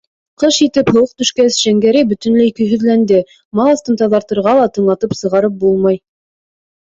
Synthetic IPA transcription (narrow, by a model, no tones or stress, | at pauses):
qɤʃit̪ɘphɤ̆wɤq̚t̪ɵ̆ʃkæsʒ̥æŋɡæɾibɵ̆t̪ɵ̆nlɘikɵ̆jɦɵ̆ðlænd̪ɘ | mɑlˠɤ̆st̪ɤnt̪ɑðɑɾt̪ɤ̆ɾʁɑlˠɑt̪ɤ̆ɴlˠɑt̪ɤpsɤ̆ʁɑɾɤp̚bulˠmɑj